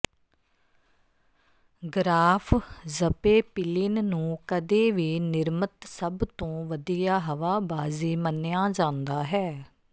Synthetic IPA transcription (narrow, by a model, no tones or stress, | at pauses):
ɡɾaːpʰzəpeːpɪlɪnnũːkəd̪eːʋiːnɪɾmət̪səbt̪õːʋəd̪iːjaːɦəʋaːbaːziːmənjaːd͡ʒãːnd̪aːɦɛː